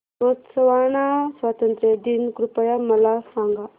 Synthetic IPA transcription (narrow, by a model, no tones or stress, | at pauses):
ʋət̪səʋaɳasʋat̪ənt̪ɾed̪inkɾupəjaməlasãŋɡa